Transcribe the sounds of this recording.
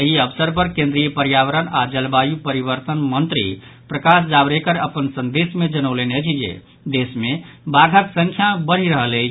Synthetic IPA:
əɦiəbsəɾpəɾkẽnd̪ɾijəpəɾjaʋəɾənad͡ʒəlbajupəɾibəɾt̪ənmənt̪ɾḭpɾəkas̬d͡ʒabɾekəɾəpənsənd̪esmed͡ʒənəwlened͡ʒid͡ʒḛ | d̪esmebaɡʱət̪sə̃ŋkʰjabəɽ̤iɾəɦəle

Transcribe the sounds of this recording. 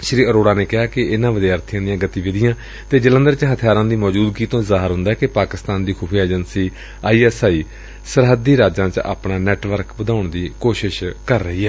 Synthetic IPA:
ʃɾiːəɾoːɽaːneːkɪɦaːkɪɪnãːʋəd̪jaːəɾt̪ʰɪjãːd̪ɪjãːɡət̪iːʋɪd̪ɪjãː | t̪eːd͡ʒələ̃nd̪əɾt͡ʃɦət̪ʰɪjaːɾãːd̪iːmɔːd͡ʒuːd̪ɡiːt̪õːzaːɦəɾɦʊ̃nd̪aːɛkɪpaːkɪst̪aːnd̪iːkʰuːpʰijaeːd͡ʒənsiː | aːiːɛːsaːiː | səɾɦəd̪iːɾaːd͡ʒãːt͡ʃa̰ːpnaːnɛːʈʋəɾkʋəd̪aːʊɳd̪iːkoːʃɪʃkəɾːəɦiːɦɛː

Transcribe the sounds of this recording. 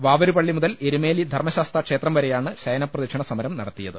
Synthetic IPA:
ʋaːʋɐɾupɐɭːimuðɐleɾume̞ːlid̪ʱɐrmɐɕaːst̪ɐkʂeːt̪rɐmʋɐɾejaːɳɨɕɐjɐnɐpːrɐðɐkʂɐɳɐsɐmɐɾɐmnɐɽɐt̪ːijɐðɨ

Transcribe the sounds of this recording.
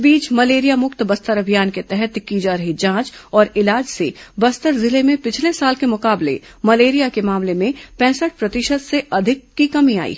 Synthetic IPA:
biːt͡ʃmɐleːɾijamʊkt̪bɐst̪əɾɐbʱijaːnket̪ɛɦɛt̪kiːd͡ʒaːɾɐɦid͡ʒãːt͡ʃɔːɾɪlaːd͡ʒsebɐst̪əɾzɪlemẽpɪt͡ʃʰlesaːlkemʊkaːblḛ | mɐleːɾijakemaːmlemẽpɛ̃ːsəʈ̚pɾɐt̪ɪʃət̪seʔɐd̪ʱɪkːikɐmia̰ːḭː

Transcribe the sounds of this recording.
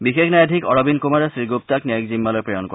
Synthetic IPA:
bixexnajadʱikɔɹɔbinkumaɹesɹiɡup̚takniakzimːalɔjpɹɔjɔnkɔ

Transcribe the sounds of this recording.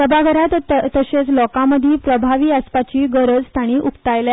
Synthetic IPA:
səbʱaɡʱəɾat̪ːəɕet͡slɔkãməd̪ʱiːpɾəbʱaʋiːəspat͡ɕiːɡəɾəd͡zt̪ʰaɽ̃iːʔukt̪ajlja

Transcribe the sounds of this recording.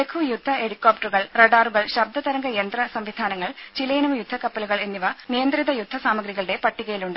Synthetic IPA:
ekʰujud̪ʱːɐeɽikːoːp̚ʈɐruɣɐɭrɐɖaːruɣɐɭɕɐb̚d̪ʱɐt̪ɐɾɐŋɡɐjend̪rɐsɐmʋid̪ʱaːnɐŋːɐɭt͡ɕilɐjinuʋjud̪ʱːɐkɐpːɐluɣɐɭe̞nːiʋɐnijɐnd̪riðɐjud̪ʱːɐsaːmɐɡɾiɣɐɭɽe̞pɐʈːiɣɐjiluɳɖɨ

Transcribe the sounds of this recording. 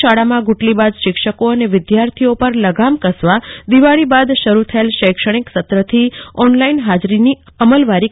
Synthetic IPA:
ʃaɽamãɡuʈlibad̪ʃɪkʃəkoəneʋɪd̪jaɾt̪ʰiopəɾləɡamkəsʋad̪iʋaɭibad̪ʃəɾut̪ʰəelʃəjkʃəɽ̃iksət̪ɾət̪ʰiɔnlainɦad͡ʒɾini | əməlʋaɾi

